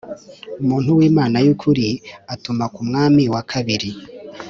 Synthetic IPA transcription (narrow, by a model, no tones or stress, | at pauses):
umuːn̥huwiːmaːnajukʰuɾiatumakumŋaːmiwakʰaβiɾi